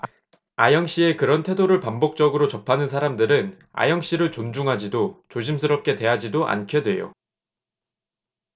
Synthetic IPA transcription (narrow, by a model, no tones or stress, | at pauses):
ajʌŋɕ͈ie̞kɯɾʌntʰe̞doɾɯɭpambok̚t͡ɕ͈ʌɡɯɾot͡ɕʌpʰanɯnsʰaɾamdɯɾɯn | a̰jʌŋɕ͈iɾɯɭt͡ɕond͡ʑuŋɦad͡ʑidot͡ɕoɕ̬ʰims̬ʰɯɾʌp̚k͈e̞twe̞ɦad͡ʑidoʔa̰nkʰjʌdwe̞̰jo̰